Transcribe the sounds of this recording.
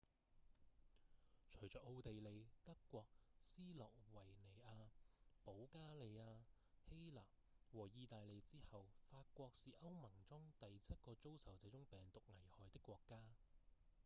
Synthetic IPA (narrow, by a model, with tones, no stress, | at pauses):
t͡ʃʰɵ˨˩ɥt͡sœː˨ko˧wt̪e˨jle˨˧jt̪ɐ˥kːʷɔː˧k̚siː˥lɔː˨k̚wɐ˨˩jne˨˩jaː˧po˨˥wkaː˥le˨˧jaː˧ | he˥jlaː˨p̚ | wɔː˨˩jiː˧t̪aː˨jle˨˧jt͡siː˥hɐ˨wfaː˧t̚kʷɔː˧k̚siː˨ʔɐ˥wmɐ˨˩ŋt͡sʊ˥ŋt̪ɐ˨jt͡sʰɐ˥t̚kɔː˧t͡so˥wsɐ˨˩wt͡sɛː˨˥t͡sʊ˥ŋpɛː˨ŋt̪ʊ˨k̚ŋɐ˨˩jhɔː˨˧jt̪ɪ˥kːwɔː˧kːaː˥